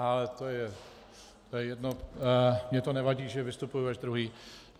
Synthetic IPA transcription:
alɛt̪ojɛ | t̪ojɛjɛdno | mɲɛt̪onɛvaɟiːʒɛvɪst̪upujuɛʒd̪ɾuɦiː

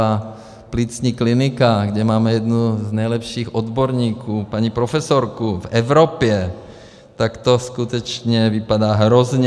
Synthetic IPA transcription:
a | pliːt͡sɲiːklinɪkaɡɟɛmaːmɛjɛd̪nuznɛjlɛpʃiːxʔod̪boɾɲiːkʰuːpaɲipɾofɛsoɾkuvɛvɾopjɛ | t̪akt̪oskut̪ɛt͡ʃɲɛvɪpadaːɦɾozɲɛ

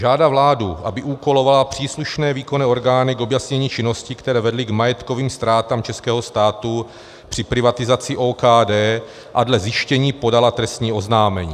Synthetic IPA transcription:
ʒaːdavlaːduʔabɪʔuːko̞lo̞valapr̝̥iːsluʃnɛːviːko̞nɛo̞ɾɡaːnɪɡo̞bjasɲɛɲiːt͡ʃɪno̞scɪkt̪ɛɾɛːvɛdlɪɡmajɛt̪ko̞viːmst̪ɾaːt̪amt͡ʃɛskɛːɦo̞st̪aːt̪u | pr̥ɪpɾɪvat̪ɪzat͡sɪʔoːkaːdɛː | ʔadlɛzjɪʃcɛɲiːpo̞dalat̪ɾɛst̪ɲiːo̞znaːmɛɲḭː

